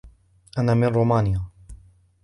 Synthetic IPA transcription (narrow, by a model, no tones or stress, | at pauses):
ʔanamɪnɾomaːnɪja